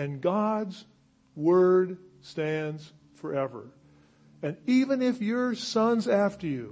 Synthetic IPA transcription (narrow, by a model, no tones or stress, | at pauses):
ɨ̃nɡɑdz | wɜ˞d | stæ̃ndz̥ | fə˞ɛvə̰˞ | ɨ̃nivɨ̃nɪfjə˞sʌ̃nzæftə˞jʉ